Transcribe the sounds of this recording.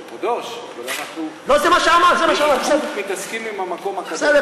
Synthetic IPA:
od̪oʃvalanaχnulozemaʃeamaʁzemaʃeamaɾsed̪emit̪askimimamako̞makased̪e

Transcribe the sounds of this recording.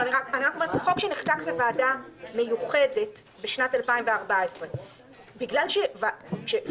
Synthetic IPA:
aniʁakaniʁakometχo̞kʃeneχtakvevaːdame̞juχe̞de̞tbeʃnatalpaimveaʁbaesʁe | biɡlalʃevaʃe

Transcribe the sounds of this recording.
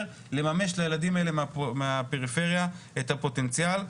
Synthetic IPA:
le̞mame̞ʃlajeladimaele̞mmeape̞ʁife̞ʁjaethapo̞te̞nt͡sjal

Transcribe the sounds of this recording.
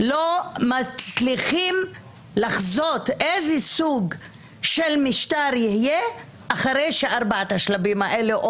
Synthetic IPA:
lomat͡sliχim | laχzot̪ʔezɛsuɡ | ʃelmiʃtaɾjihje | ʔaχaɾejʃeʔaɾbaat̪haʃlabimaʔeleʔ

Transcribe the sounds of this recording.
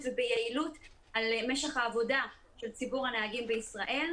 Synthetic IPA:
vebejailut | almeʃeχhaːvo̞da | ʃe̞lt͡sibuʁhaneaɡimbeisʁaʔe̞l

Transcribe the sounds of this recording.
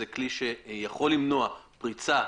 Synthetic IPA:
ekliʃejaχo̞lːimnoapʁit͡sa

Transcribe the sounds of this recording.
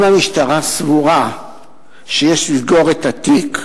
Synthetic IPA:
mamiʃtaʁasvuʁa | ʃejeʃlizɡoʁet̪at̪ik

